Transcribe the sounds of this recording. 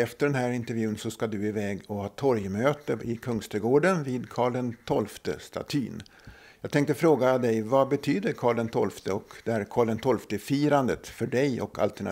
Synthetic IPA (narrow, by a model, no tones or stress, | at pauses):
ɛft̪əɖɛnɦæːɾɪnt̪əɾvjʉ̟ːənsɔskad̪ɵɪvɛːɡɔhɑːt̪ʰɔɾjmøːt̪əɪkʰɵŋst̪əɡoːɖənviːd̪kʰɑːɭɖɛnt̪ʰɔlft̪ə̰st̪ʰa̰t̪ʰy̰ːn | jɑːɡ̚t̪ʰɛŋk̚t̪əfɾoːɡad̪ɛjvabɛt̪ʰyːd̪əɾkʰɑːɭɖɛnt̪ʰɔlft̪əɔkd̪ɛæɾkʰɑːɭɖ̪ɛnt̪ʰɔlft̪əfiːɾand̪ət̪fœɖɛjɔ̰kʰa̰lt̪æɳa